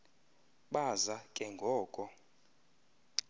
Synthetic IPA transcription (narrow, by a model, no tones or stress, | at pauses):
ɓazakʼɛŋɡʱɔːkʼɔ